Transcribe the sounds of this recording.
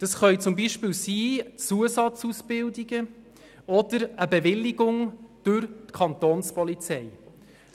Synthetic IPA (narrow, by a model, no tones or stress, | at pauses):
d̥ɑsχœʏt͡sʊmbiʃpɪːlsiːt͡suəsɑt͡susb̥ɪldiɡ̥ə | ɔd̥əɾəbɛvɪlːiɡʊŋd̥ʉɾtkʰɑnt̪oːnspɔlit͡sɛj